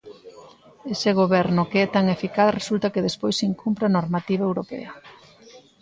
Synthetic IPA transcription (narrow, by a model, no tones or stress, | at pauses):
eseɣ̞oβɛɾnʊkeɛt̪aŋefikaθresult̪ɐkeðespojsiŋkʰumpɾanoɾmat̪iβɐewɾopɛ̰ɐ